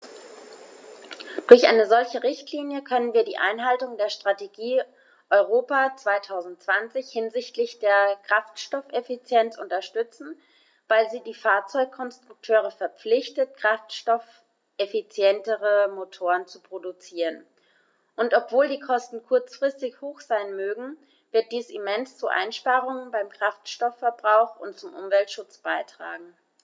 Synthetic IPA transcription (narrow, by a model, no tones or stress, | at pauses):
d̥ʊɐçʔa̰ɪnəzɔlçəʁɪçtʰliːnjəkʰœnənviːɐdḭːʔa̰ɪnɦaltʊŋdeːɐʃtʁ̥ateɡiː | ʔɔʏʁ̞oːpaːt͡sv̥aɪtʰaʊzn̩tt͡sv̥ant͡sɪçhɪnzɪçtlɪçd̥eːɐkʁ̥aftʃtɔfefit͡sjɛnt͡sʔʊntɐʃtʏt͡sn̩ | vaɪlziːdiːfaːɐt͡sɔʏkkʰːɔnstʁ̥ʊk̚tʰøːʁ̞əfɛɐp͡flɪçtət̚kʁ̥aftʃtɔf | ʔefit͡sjɛntəʁəmotʰoːʁənt͡supʁ̥odut͡siːʁən | ʔʊntɔpv̥oːldiːkʰɔstn̩kʰʊɐt͡sfʁ̥ɪstɪçhoːxz̥aɪnmøːɡŋ̩ | vɪɐt̚d̥iːsimɛnst͡suʔa̰ɪnʃpaːʁʊŋənbaɪmkʁ̥aftʃtɔfːɛɐbʁaʊxʊ̰ntt͡sʊmʔʊ̰mvɛltʃʊt͡sb̥aɪtʁ̥a̰ːɡŋ̩